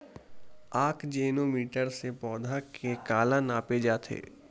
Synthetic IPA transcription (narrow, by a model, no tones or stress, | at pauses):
aːkʰd͡ʒeːnoːmiːʈəɾsepɔːd̪ʱakʰekaːlanaːped͡ʒaːt̪ʰḛː